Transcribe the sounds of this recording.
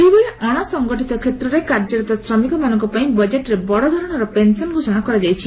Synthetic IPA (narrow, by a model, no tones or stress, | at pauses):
ejbɔɭeaɽ̃asɔŋɡɔʈit̪ɔkʰet̪ɾɔɾekaɾd͡ʒɔɾit̪ɔsɾɔmikɔmanɔŋkɔpaĩbɔd͡ʒeʈɾebɔɽɔd̪ʱɔɾɔɽ̃ɔɾɔpensɔnɡʱosɔɽ̃akɔɾad͡ʒajt͡ʃʰi